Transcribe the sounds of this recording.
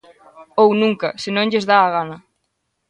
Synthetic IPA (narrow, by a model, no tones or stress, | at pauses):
ownũŋkɐ̰senõŋʎezðaːɣ̞anɐ